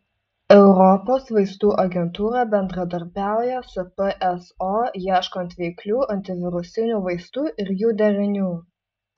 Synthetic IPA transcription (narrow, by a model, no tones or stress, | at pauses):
ɛʊɾɔpoːsʋɐɪst̪uːʔɐɡʲɛnt̪uːɾɑbʲɛnd̪ɾɐd̪ɐɾʲbʲæˑʊjɛsʊpəʔɛsojiɛʃkonʲt̪ʋʲɛɪklʲuːɐnʲt̪ʲɪʋʲɪɾʊsʲɪnʲuːʋɐɪst̪uːʔɪɾjuːd̪ʲɛɾʲɪnʲuː